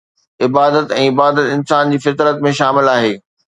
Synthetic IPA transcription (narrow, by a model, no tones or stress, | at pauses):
ɪbaːd̪ət̪ɛ̃ːɪbaːd̪ət̪ɪnsaːnd͡ʑiːfɪt̪ɾət̪mẽʃaːmɪlaːɦeː